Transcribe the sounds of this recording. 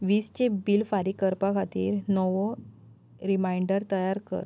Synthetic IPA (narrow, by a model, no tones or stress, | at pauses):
ʋiːst͡ɕebilfaɾikəɾpakʰat̪ḭːɾnɔʋo | ɾimajɳɖəɾt̪əjaɾkə̰ɾ